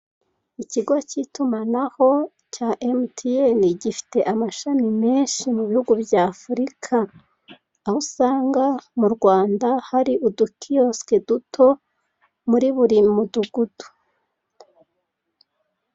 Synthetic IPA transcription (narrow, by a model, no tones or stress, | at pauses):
iciɡo̞citumanaho̞ | caʔemtʰieniɟifi̥te̞ʔamaʃamime̞ːnʃimuβihuɡubjaːfuɾikʰaː | husaːŋɡamuɾɡwaːndahaɾiʔudukʰioskedutʰo̞ | muɾiβuɾimuduɡud̥u̥